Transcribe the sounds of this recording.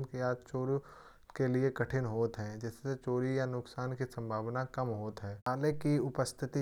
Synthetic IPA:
nkiaːd͡ʒt͡ʃoːɾ | keliekɐʈʰɪnɦoːt̪ɦɛ̃ːd͡ʒɛːseset͡ʃoːɾijanʊksaːnkisɐ̃mbʱaːʋnakɐmɦoːt̪ɦɛːɦaːlekiʊpəst̪ʰɪt̪i

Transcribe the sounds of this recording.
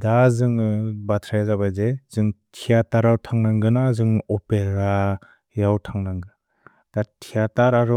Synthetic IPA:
dazɯŋbatʰɾajazabajzezɯŋtʰijataɾawtʰaŋnaŋɡɯnazɯŋɔpeɾa | jawtʰaŋnaŋɡɯ | d̥atʰijataɾaɾɔ

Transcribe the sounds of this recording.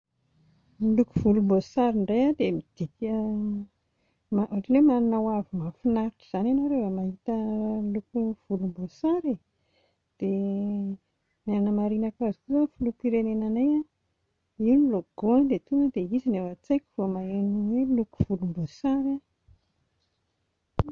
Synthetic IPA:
milukuv̥ulumbosaɾiɳɖ͡ʐajad̪emid̪̥ikʲə | maaʈ͡ʂilemanunawavimafinaɾiʈ͡ʂi̥z̥ananoɾevəmaɦit̪əilukuv̥ulumbosaɾe | d̪̥e | nanəmaɾinakazikuzofulukiɾenenanaja | iniloɡ̥ond̪et̪uŋəd̪eizinewat͡sajkʲi̥v̥omaenuweluku̥v̥ulumbosaɾa

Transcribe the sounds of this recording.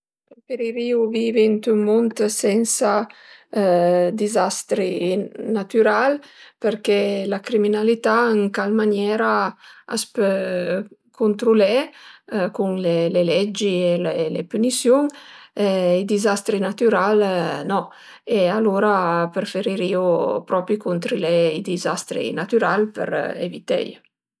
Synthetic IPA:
pɾefeɾiɾiuvivint̪ymunt̪sɛnsa | d̪izast̪ɾinat̪yɾalpəɾkɛlakɾiminalit̪aəŋkalmanjɛːɾaa̰spɛ | kʰunt̪ɾulɛ | kuŋlelelɛd͡ʒielelepynisjuŋ | id̪izast̪ɾinat̪yɾalnɔ | ealuɾapɾefeɾiɾiopɾɔpɾikunt̪ɾilɛid̪izast̪ɾḭnat̪yɾalpə̰ɾḛvit̪ɛ̰j

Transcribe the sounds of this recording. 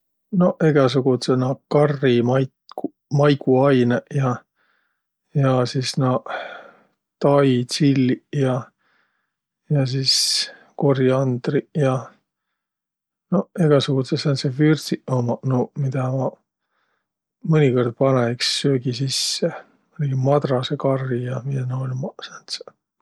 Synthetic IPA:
no̞eɡ̥ɑs̬uɡ̥ut̪senɑkɑrːimɑj | ku | mɑjɡuɑjnejɑ | jɑsisnɑ | t̪ɑj̪silːijɑ | jɑs̬iːs | koriɑnd̪rijɑ | noeɡ̥ɑsuɡut̪sesɑnsefyrsiʔomɑnomid̪̥ɑmɑ | mɤnʲiko̞rd̪̥̚pɑneiksːøːɡ̥isisːe | olɡ̥imɑd̪rɑsekɑrːijɑminoolʲmɑsɑnt̪se̥

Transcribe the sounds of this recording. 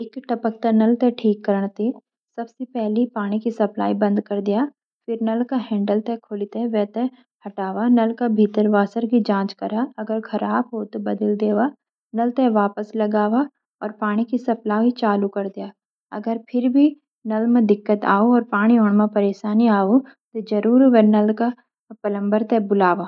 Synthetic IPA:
ɪkʈɐpək̚t̪anɐlt̪eʈʰiːkːɐɾɳ̃t̪i | sɐbsepɛɦlipaːɽ̃ikisɐpla̰ːibɐ̃nd̪kɐɾd̪ijaː | fɪɾnɐlkaɦɛ̃ːɳɖəlt̪ɛkʰʊlit̪ẽʋɛːt̪e | hɐʈaːwanɐlkabʱiːt̪əɾʋaːsəɾkid͡ʒãːt͡ʃkɐɾaɐɡəɾxʰɐɾaːbɦot̪obɐd̪əld̪eːʋa | nɐlt̪ɛʋaːpəslɐɡaːʋa | ɔːɾpaːɽ̃ikisɐplaːit͡ʃaːlukɐɾd̪ɪjaː | ɐ̰ɡəɾpʰɪɾbʱi | nɐlmẽd̪ɪkːət̪a̰ːoɔːɾpaːɽ̃ioɳ̃mãpɐɾeːʃaːniaːot̪od͡ʒɐɾuːɾʋɛnɐlka | pɐlə̃mbəɾt̪ɛbʊlaːʋaː

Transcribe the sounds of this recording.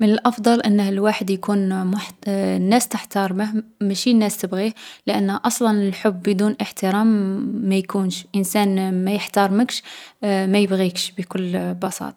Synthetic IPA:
mənəlʔɑfd̪ˤɑlʔənːəhəlwaħəd̪jkunmʊħnːæst̪əħt̪ɑɾˤməhmæʃinːæst̪əbɣiləʔənːʔɑsˤlɑnəlħʊbːəd̪unʔəħt̪əɾæmːæjkunʃʔənsænmæjəħt̪ɑɾˤməkʃmæjəbɣikʃbikʊlːbɑsɑ̰t̪ˤɑ

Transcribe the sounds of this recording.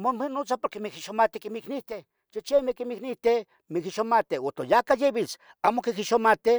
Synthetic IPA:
momenot͡sapoɾkemikiʃomat̪ikimiknit̪e | t͡ʃit͡ʃemekimiknit̪e | mikiʃomat̪eot̪ojakajeβit͡s | amokikiʃomat̪e

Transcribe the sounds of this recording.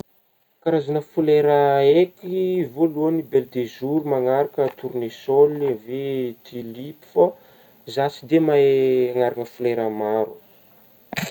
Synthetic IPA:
kaɾazanəfuleɾəekivoluanibeld̪ezuɾumaŋaɾakət̪uɾnesolavet̪ʰilipi̥fə | zasid̪emaaŋaɾanəfuleɾəmaɾu

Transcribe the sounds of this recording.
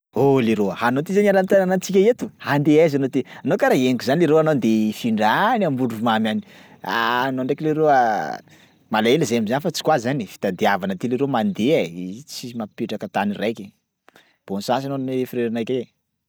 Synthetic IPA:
oliɾoəhanot̪izananamit̪ananant͡sikʲaet̪uhand̪eazanod̪eanokaɾaeŋkuzanileɾoanond̪efiɳɖ͡ʐanambuɖ͡ʐumamjani̥ | a̰noɳɖ͡ʐekileɾoa | malaelizeamizanifat͡si̥kwazanifi̥t̪ad̪iavanət̪ileɾemand̪eait͡simapeʈ͡ʂakət̪anirajkʲe | b̥onsas̬anonefiɾeɾanajkʲee

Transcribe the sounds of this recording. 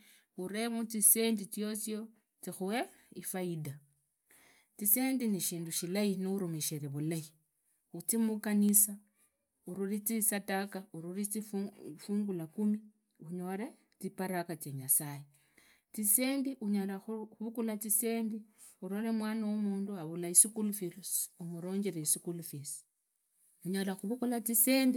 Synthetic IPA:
uɾe̞mut͡sise̞ːndit͡sjo̞t͡sjo | t͡sixuwe | ifaida | t͡sisendiniʃiːnduʃilainiuɾumeʃeɾeβulai | ut͡simukanisa | uɾuɾit͡sisatakauɾuɾit͡sifuːŋɡulakumi | uɲo̞ɾa | t͡sipaɾakat͡sjeɲasaje | t͡sise̞ːndiʔuɲalaxuxuβukulat͡siseːndi | uɾoɾemwaːnawomuːnduaβulaisikulufilusumuɾo̞ːɲɟeɾeisikulufisi̥ | uɲalaxuβukulat͡siseːndi

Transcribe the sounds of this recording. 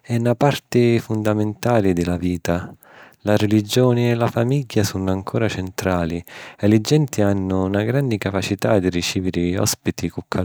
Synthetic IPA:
ɛnːapart̪ɪfund̪ament̪aːlid̪ɪlaviːt̪a | larelid͡ʒɔːnɪɛlafamiɟːasunaŋkʰɔːɾat͡ʃɛnt̪ɾaːliɛlid͡ʒɛnt̪ianːʊnaɡɾand̪ikapat͡ʃit̪ad̪irit͡ʃiːvɪɾɪɔ̰spit̪ikukʰːa

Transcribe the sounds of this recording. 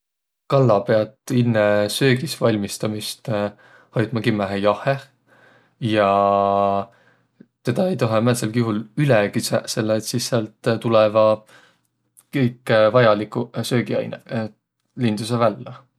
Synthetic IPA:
kɑlːɑpeɑd̪ˑinːesø̞ːɡisvɑlʲmist̪ɑmist̪ | hojd̪mɑkimːæɦejɑhe | jɑ | t̪e̞d̪̥ɑe̞jt̪oɦemæselkiɦulylɛkisse̞lːet̪sisːeɑlt̪ˑt̪ulɛvɑ | kɤjkːˑvɑjɑlikˑusø̞ːɡiɑ̰jne | lind̪̥usevælːɑ

